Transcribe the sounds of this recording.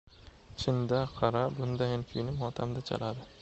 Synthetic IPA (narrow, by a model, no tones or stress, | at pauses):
t͡ʃʰɪnd̪aqʰɑɾabʊnd̪ajankʲʰʊjnɪmχɒt̪ʰamd̪at͡ʃʰa̰lad̪ɪ